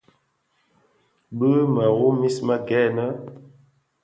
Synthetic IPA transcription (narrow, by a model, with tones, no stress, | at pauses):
bə˦mə˨ɣu˦mi˦smə˦ɡɛ˦nə˦